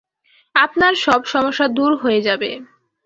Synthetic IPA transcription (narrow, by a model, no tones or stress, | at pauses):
apnaɾʃɔbʃɔmoʃːad̪uɾɦoed͡ʑabe